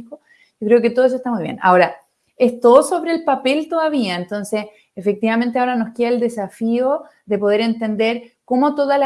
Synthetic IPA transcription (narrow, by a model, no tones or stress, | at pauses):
ko | jokɾe̞oket̪oðesoeht̪amujβjḛna̰o̞ɾa | est̪oso̞βɾelpape̞lt̪o̞ðaβiaent̪o̞nse | efek̚t̪iβame̞nt̪̬eao̞ɾano̞hkjeaeld̪e̞safio | ðepo̞ð̞e̞ɾe̞nt̪e̞nd̪e̞ɾko̞mo̞t̪oðala